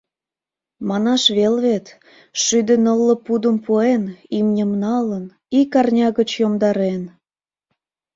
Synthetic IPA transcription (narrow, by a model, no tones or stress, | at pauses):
mɑnɑʃβelβet̪ | ʃyd̪ĕnəlːə̆pud̪ə̆mpuenimnʲəmnɑlən | ikɑrnʲɑɣət͡ɕjomd̪ɑɾen